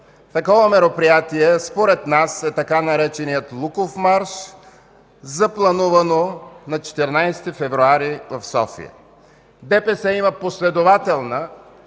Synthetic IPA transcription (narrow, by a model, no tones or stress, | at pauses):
t̪ɐkɔvɐmɛɾopɾijat̪iɛspoɾɛt̪nasɛt̪ɐkanɐɾɛt͡ʃɛnijət̪lˠukofmaɾʃ | zɐplˠɐnuvɐnonɐt͡ʃɛ̥t̪ɛɾnajst̪ifɛvɾuaɾivɐfsɔ̰fḭə̰ | d̪ɛpɛsɛimɐposlɛd̪ovat̪ɛlˠnə